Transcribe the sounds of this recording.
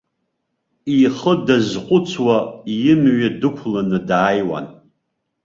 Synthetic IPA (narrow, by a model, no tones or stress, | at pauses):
iχədazqʷʼʊt͡sʰwaijɪmɥadɨkʷʰlanɨdaːjwa̰n